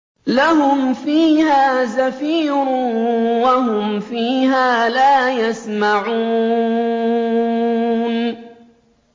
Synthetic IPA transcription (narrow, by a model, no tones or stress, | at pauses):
laɦʊmfiːhaːzafiːɾʊwahʊmfiːɦaːlaːjasmaʕuː | n